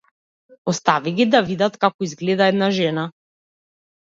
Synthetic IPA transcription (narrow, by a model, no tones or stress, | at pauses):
ɔst̪aviɡʲid̪avid̪at̪kakɔizɡlɛd̪aɛd̪naʒɛna